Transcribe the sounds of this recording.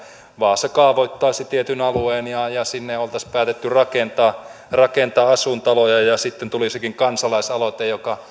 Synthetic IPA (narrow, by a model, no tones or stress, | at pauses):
ʋɑːsekɑːʋoit̪ːɑːset̪iet̪ynɑlueːnjɑjɑsinːeolt̪ɑspæːt̪et̪ːyrɑkent̪ɑː | rɑkent̪ɑːɑsunt̪ɑlojɑjɑsit̪ːent̪ulisekiŋkɑnsɑlɑisɑlot̪ejjokɑ